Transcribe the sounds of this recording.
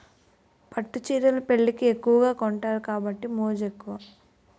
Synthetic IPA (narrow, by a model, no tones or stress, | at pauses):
pɐʈːut͡ʃiːɾɐlɐpe̞ɭːikiekːuʋɐɡaːkɔɳʈaːɾukaːbɐʈːimoːd͡ʒekːuʋa